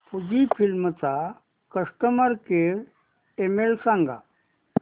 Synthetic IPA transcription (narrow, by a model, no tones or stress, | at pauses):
puɡifʰilmət͡sa | kəsʈəməɾkeɽ | emelsãŋɡa̰